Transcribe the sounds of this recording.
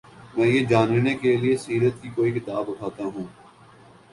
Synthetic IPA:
mɛ̃ːjeːd͡ʒaːnnekeliesiːɾət̪̚kikoːikɪt̪aːbʊʈʰaːt̪aɦũː

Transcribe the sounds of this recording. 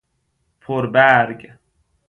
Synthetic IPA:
fʰɔɾbæɾɡ

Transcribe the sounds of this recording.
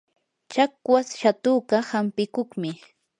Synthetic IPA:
t͡ʃakwasʃat̪ʊɢɑhampɪkoχmɪ

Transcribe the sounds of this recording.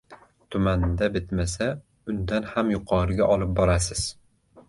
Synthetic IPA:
t̪ʰʊmand̪abɪt̪masa | ʊnd̪anhamjʊqʰɒːɾɪɡʲaʔɒlˠɪp̚bɒɾasɪz̥

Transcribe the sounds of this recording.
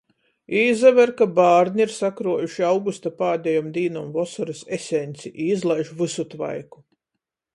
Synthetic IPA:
iːzavæɾkabaːɾnʲiiɾsakɾuɔjuʃiawɡust̪apaːd̪ʲɛjɔmd̪iːnɔmvɔsɔɾɨsesʲɛnʲt̪siʔiːzlˠajʒvɨsut̪va̰jku̥

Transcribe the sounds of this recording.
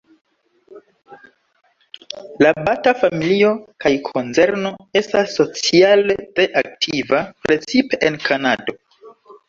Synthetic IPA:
labatafamilio̞kajkʰo̞nze̞ɾno̞e̞stasːo̞t͡sialete̞ʔak̚tʰivapɾʔe̞t͡sipe̞ʔenkʰanado̞

